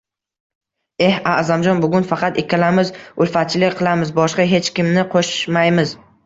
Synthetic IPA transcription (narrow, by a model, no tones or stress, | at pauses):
e̞hazamd͡ʒɒnbʊɡʲʊnfɑqʰɑt̪ekʲalamɪzʊlfat̪̚t͡ʃʰɪlɪkʲqʰɨlˠamɪzbɒʃqɑɦe̞t͡ʃkʲɪmnɪqʰoʃmajmɪz